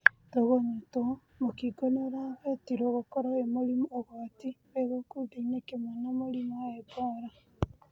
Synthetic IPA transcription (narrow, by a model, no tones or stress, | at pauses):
toɣoɲato | mokiɡonoɾaβetiɾoɣokoɾaemoɾimoɣotiβeɣokuðeinekemwanamoɾimaeboɾa